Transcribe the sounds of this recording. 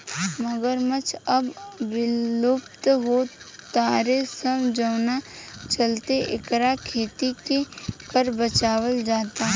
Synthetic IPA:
məɡəɾmət͡ʃʰɐbʋɪlʊpt̪ɦot̪aːɾesəmd͡ʒəʊnat͡ʃɐlt̪eʔɪ̰kɾakʰeːt̪ikekəɾbət͡ʃaːwəld͡ʒaːt̪a

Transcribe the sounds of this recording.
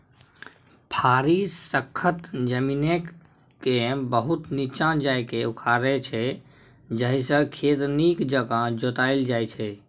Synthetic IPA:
pʰaːɾisəkʰːət̪d͡ʒəmiːnekː | ẽbəɦʊt̪nit͡ʃãd͡ʒajkeʊkʰaɾɛt͡ʃʰɛ | d͡ʒəɦisə̃kʰeːt̪nikd͡ʒəɡad͡ʒoːt̪aːɪld͡ʒaːjt͡ʃʰɛ

